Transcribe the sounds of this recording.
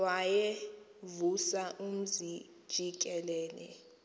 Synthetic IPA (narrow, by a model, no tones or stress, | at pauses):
waje | vusaʔum̩zi | d̥ʒ̥ʱik̬ʼɛlɛːlɛ̰